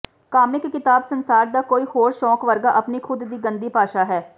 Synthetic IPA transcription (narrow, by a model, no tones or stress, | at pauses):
kaːmɪkːɪt̪aːbsənsaːɾd̪aːkoːiːhoːɾʃɔːkʋəɾɡaːʔəpniːkʰʊd̪d̪iːɡə̃nd̪iːpaːʃaːɦɛː